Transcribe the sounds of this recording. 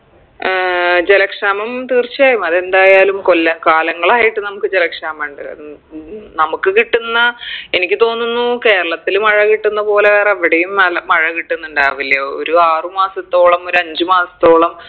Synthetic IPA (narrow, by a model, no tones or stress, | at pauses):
d͡ʑe̞lɐkʂaːmɐmt̪iːrt͡ɕːijaːjumɐðe̞nd̪aːjaːlumkolːɐkaːlɐŋːɐɭaːjiʈːɨnɐmukːɨd͡ʑelɐkʂaːmaɳɖɨ | nɐmukːɨkiʈːunːɐe̞nikʲːɨt̪o̞ːnːunːuke̞ːɾɐɭɐt̪ːilumɐɻɐkiʈːunːɐpo̞ːleʋeːreʋːiɽejumɐlɐmɐɻɐkiʈːunːuɳɖaːʋilːɐo̰ɾuaːrɨmaːsɐt̪ːo̞ːɭɐmo̞ɾuɐɲd͡ʑɨmaːsɐ̥t̪ːo̞ːɭɐm